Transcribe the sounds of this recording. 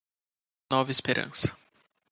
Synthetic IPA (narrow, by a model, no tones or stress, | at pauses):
nɔvɐispeɾʔɐ̰̃sɐ̥